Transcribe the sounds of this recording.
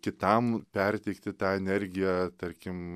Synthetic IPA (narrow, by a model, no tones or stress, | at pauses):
kʲɪt̪ɐmpʲɛɾʲt̪ʲɛɪkt̪ʲɪt̪ɑːɛnʲɛɾʲɡʲɪjæːt̪ɐɾʲkʲɪm